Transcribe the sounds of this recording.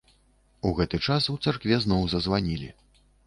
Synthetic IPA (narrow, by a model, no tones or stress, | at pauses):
uɣɛt̪ɨt͡ʂasuwt̪sarkvʲɛznɔwzɐzvanʲilʲḭ